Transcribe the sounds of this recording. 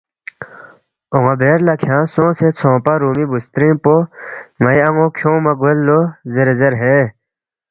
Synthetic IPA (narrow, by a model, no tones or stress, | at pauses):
oŋabeːɾlɐkʰjãːsõːset͡sʰõːpaɾuːmibust̪ɾĩpoŋɐjɐŋokʰjõːmɐɡolːozeɾezeɾɦe